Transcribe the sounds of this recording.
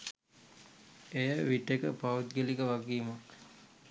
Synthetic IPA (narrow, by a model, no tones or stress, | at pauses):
ejəʋiʈekəpaut̪̚ɡelikəʋaɡiːmak